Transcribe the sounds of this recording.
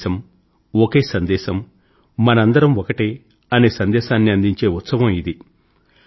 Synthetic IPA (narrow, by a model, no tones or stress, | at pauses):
ɐm | oke̞ːsɐnd̪ɛːʃɐmː | ɐnɐɐnd̪ɐɾɐmɔkɐʈe | ɐne̞ːsɐnd̪ɛːʃaːnːiɐnd̪iɲt͡ʃe̞ːut̪sɐʋɐmid̪i